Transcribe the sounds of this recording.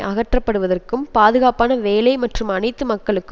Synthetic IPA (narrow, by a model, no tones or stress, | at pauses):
ʔɐɣɐʈrɐpːɐɽɯʋɐðɐrkɯmpaːðɯɣaːpaːnɐʋeːlɐɪmɐʈrɯmɐnɐɪt̪ːɯmɐkːɐɭɯkːɯ